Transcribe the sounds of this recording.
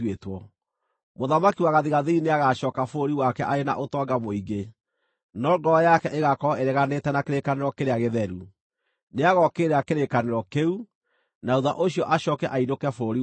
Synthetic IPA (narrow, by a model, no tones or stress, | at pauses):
wetwɔ | moðamakiwaɣaðiɣaðeineaɣaɕɔːkafoɾiwakɛʔaɾena̰ʔotɔɡamoiɡe | nɔɡɔjakɛʔeɣakɔeɾɛɣanetɛnakeɾekaneɾɔkeɾeaɣeðɛɾu | neaɣɔkeɾeakeɾekaneɾɔkeu | naouða̰ʔoɕiɔʔaɕɔːkɛʔaidokɛfoɾi